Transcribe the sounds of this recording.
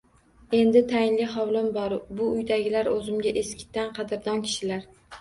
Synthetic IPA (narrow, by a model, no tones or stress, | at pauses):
e̞nd̪ɪt̪ʰajɪnlɪɦɒwlɪmbɒɾbʊʊjd̪aɡʲɪlaɾɵzɪmɡʲaʔeskʲɪ̥t̪ʰːanqʰɑd̪ɪɾd̪ɒnkʲʰɪ̥ʃɪlaɾ